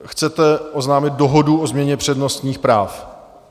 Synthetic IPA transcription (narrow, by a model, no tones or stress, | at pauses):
xt͡sɛt̪ɛʔoznaːmɪt̪̚doɦoduozmɲɛɲɛpr̝̥ɛdno̞st̪ɲiːxpɾaːf